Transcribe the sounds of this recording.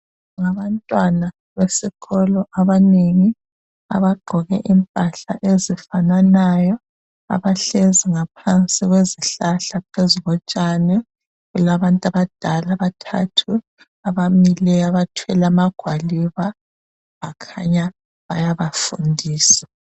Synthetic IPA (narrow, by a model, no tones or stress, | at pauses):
ŋaβantʼwana | βesiɣɔlɔʔaβaneŋi | a̰βaɡ͡ǃʱɔɣɛ̰ʔimpʼaɬa̰ʔezifananajɔ | a̰βaɬeziŋapʰant͡sʼiɣweziɬaɬapʰeziβɔt͡ʃʼanɛ | ɣulaβantʼaβad̥ʱalaβatʰa̰tʰu | aβamilɛaβatʰwɛlamaɡ̥ʱwaliβa | βakʰaɲa | βajaβafṵndʱiːsḁ